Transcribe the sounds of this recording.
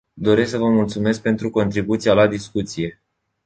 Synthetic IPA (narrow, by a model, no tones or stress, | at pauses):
d̪o̞ɾe̞sksəvəmult̪sume̞sk̚pe̞nt̪ɾuko̞nt̪ɾibut̪sijalad̪iskut̪sije̞